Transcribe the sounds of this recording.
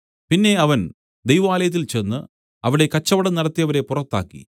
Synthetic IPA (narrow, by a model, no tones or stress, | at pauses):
pinːe̞ɐʋɐn | d̪ejʋɐʋaːlɐjɐt̪̬ːilt͡ɕe̞nːɨ | ɐʋiɽe̞kɐt͡ɕːɐʋɐɽɐnɐɽɐt̪ːijɐʋɐɾe̞purɐt̪ːa̰ːkːḭ